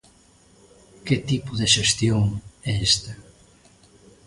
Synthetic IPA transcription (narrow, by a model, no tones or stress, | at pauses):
ket̪ipʊðeʃest̪joŋɛest̪a